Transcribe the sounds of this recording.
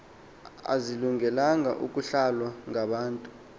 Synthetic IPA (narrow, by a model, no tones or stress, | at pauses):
a̰ziluŋɛlaŋa̰ʔukʼuɬalwaŋaɓaːntʼu